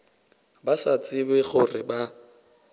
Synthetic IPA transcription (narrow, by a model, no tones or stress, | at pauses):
basat͡sʼɪbɛɣʊrɪba